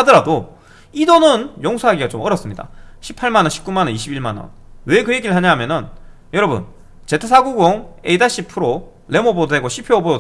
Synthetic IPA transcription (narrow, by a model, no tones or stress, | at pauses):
adɯɾado | idonɯnjoŋsʰoɦaɡiɡat͡ɕomʌɾʌs͈ɯmɲida̰ɕʰi̥pʰaɭmanʌnɕʰi̥pk͈umanʌniɕʰibiɭmanʌ̰nwe̞kɯje̞ɡiɾɯɭhaɲaɦamjʌnɯn | jʌɾʌbṵn | t͡ɕe̞tʰesʰaɡuɡoŋe̞idaɕ͈ʰipʰɯɾo | le̞mobooe̞ɡoɕʰipʰeobodo